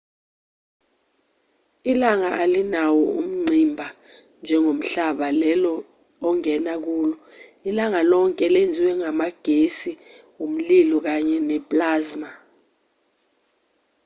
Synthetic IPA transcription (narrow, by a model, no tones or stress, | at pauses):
ilaŋaʔalinawɔum̩ŋ͡ǀʱimbʱa | nd͡ʒʱɛŋom̩ɬaɓalɛlɔː | ŋɛnak̬uːlɔ | ilaŋalɔŋkʼɛlend͡zʱiwɛŋamaɡ̥ʱesiwum̩lilɔk̬aɲɛnɛpʼlaːzma